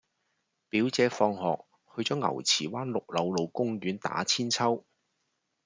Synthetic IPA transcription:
piː˨˥wt͡sɛː˨˧fɔː˧ŋhɔ̰ː˨k̚ | hɵ˧t͡sɔː˨˥ŋɐ̰˨˩wt͡sʰiː˨˩waː˥nlʊ˨k̚lɐ˨˧wlo˨˧wkʊ˥ŋjyː˨˥nt̪a̰ː˨˥t͡sʰiː˥nt͡sʰɐ˥w

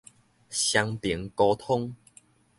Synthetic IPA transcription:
ɕja˧ŋpji˨˦ŋkɔ˧t̪ʰo˦˥ŋ

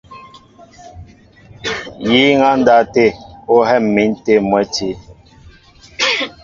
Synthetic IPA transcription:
ji˦ŋa˦n̩˦da˦te˦˨o˦ɦɛ˦˨mːi˨˦n̩˦te˦mwɛ˨˦ti˦

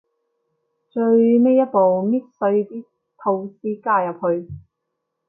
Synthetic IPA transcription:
t͡ʃɵ˧ɥme˥jɐ˥t̚po˨wmiː˥t̚sɵ˧ɥt̪iː˥ | t̪ʰo˧wsiː˥kaː˧jɐ˨p̚hɵ˧ɥ

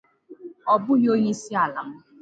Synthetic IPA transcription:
ɔ˨bʊ˦ɦo˦ɲe˦si˦a˨la˨m̩˦

